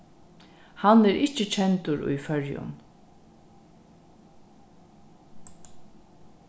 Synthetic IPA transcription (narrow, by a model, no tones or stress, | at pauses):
hanɛːɾʔɪt͡ʃːət͡ʃʰɛnt̪ʊɾʊ̰jfœɹjʊ̰n